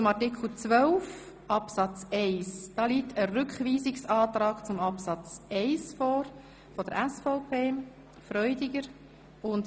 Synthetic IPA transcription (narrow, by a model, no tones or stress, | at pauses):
t͡sʊmɑɾtɪkχl̩t͡sʋœlf | ʔɑpsɑt͡sɛɪsd̥ɑːliːtʰəɾʏkχviːzɪksɑːtɾɑːɡ̥t͡sʊmɑpsɑt͡sɛɪsfɔːɾ | fɔd̥əɾʔæsfɔʊpʰeː | fɾœʏdɪɡəɾ | ʊnd